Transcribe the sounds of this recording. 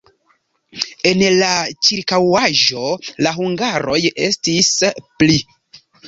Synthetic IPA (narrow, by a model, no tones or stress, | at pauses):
e̞nlat͡ʃiɾkawaʒo̞laɦuŋɡaɾo̞je̞̰stispli